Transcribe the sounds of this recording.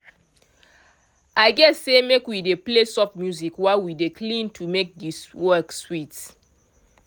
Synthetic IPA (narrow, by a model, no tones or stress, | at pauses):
ʔaɪɡɛsːemekwideplesɔpmjuzikwawideklĩntʰumek̚diswɜkswit